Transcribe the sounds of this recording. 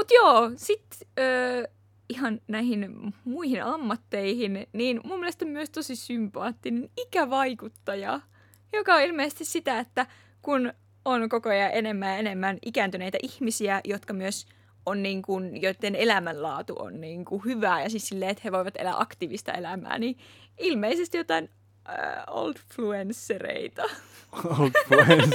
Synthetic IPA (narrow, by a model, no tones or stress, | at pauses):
mut̪joːsit̪øː | iɦɑnnæihinmuihinɑmːɑt̪ːeihinniːnmumːielest̪ommyøst̪osisympɑːt̪ːinenikæʋɑikut̪ːɑjɑ̰ | jokɑoilmeisest̪issit̪æet̪ːæ | kun | onkokojɑʔenemːæːjɑenemːænʔikæːnt̪yneit̪æʔihmisiæjot̪kɑmyøs | onːiːŋkunjoit̪ːenelæmællɑ̰ːt̪ṵʔo̰nniːŋkuhyʋæːjɑsissilːeːet̪heʋoiʋɑt̪elæ̰ʔɑ̰kt̪iːʋist̪ɑ̰elæmæ̰ːniːilmeisest̪ijot̪ɑin̰ | o̰lt̪fluensːerḛit̪ɑ | t̪fue